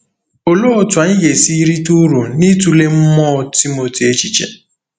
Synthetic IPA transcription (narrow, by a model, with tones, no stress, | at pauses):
o˨lo˦o˨twa˨n̩˦je˨si˦ɾi˦tu˦ɾu˨ni˦tu˦le˦m̩˦mɔ˦˨ti˦mo˨ti˨e˦t͡ʃi˨t͡ʃḛ˨